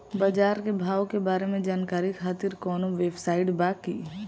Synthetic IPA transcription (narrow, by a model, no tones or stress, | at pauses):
bad͡ʒaːɾkebʱaːʋwkebaːɾemẽd͡ʒaːnkaːɾikʰaːt̪iɾkɔːnoʋeːbsaːɪʈbaːkiː